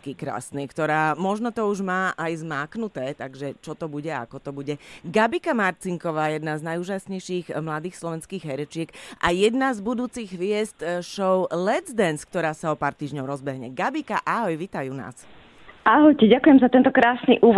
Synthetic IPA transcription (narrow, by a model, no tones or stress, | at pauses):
kikɾa̰ːsnikt̪ɔɾaːmɔʒnɔt̪ɔuʒmaːʔajzmaːknut̪ɛːt̪aɡʒɛt͡ʃɔt̪ɔbuɟɛa̰kɔt̪ɔbuɟɛɡabikamaɾt͡siŋkɔʋaːjɛd̪naznajuːʒasɲɛjʃiːɣmlad̪iːxslˠɔʋɛnskiːɣɦɛɾɛt͡ʃɪɛkʔajɛd̪nazbud̪uːt͡siɣʋɪɛst̪ʃɔʊlɛd͡zd̪ɛnskt̪ɔɾaːsaɔpaːɾt̪iːʒɲɔʊɾɔzbɛɦɲɛɡabikaʔaɦɔjʋiːt̪ajuːna̰ːs | ʔaɦɔjcɛɟakujɛmzat̪ɛnt̪ɔkɾaːsniʔuːʋ